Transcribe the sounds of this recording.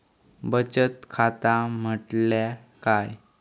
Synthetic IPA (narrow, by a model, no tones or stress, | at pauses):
bət͡ɕət̪kʰat̪am̤əʈla | kaj